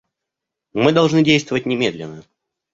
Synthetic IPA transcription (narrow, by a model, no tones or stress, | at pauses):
mɨd̪ɐlˠʐnɨdʲejst̪vəvətʲnʲɪmʲed̪lʲɪ̰nːə